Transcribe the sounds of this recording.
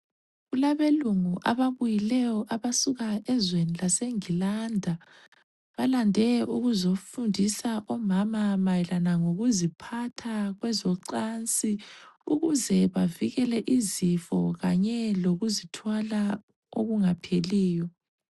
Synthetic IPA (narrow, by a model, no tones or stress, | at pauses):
ɣulaβeluŋuʔa̰βaβujilɛjɔʔaβasuɣaɛzwenilaseŋilandʱa | βalandʱɛʔuɣuzofundʱisaʔɔmamamajilanaŋoɣuzipʰatʰaɣwɛzɔǀant͡sʼiuɣuzɛβaviɣɛlɛʔizifɔɣaɲɛloɣuzitʰwala | o̰ɣuŋapʰeliːjɔ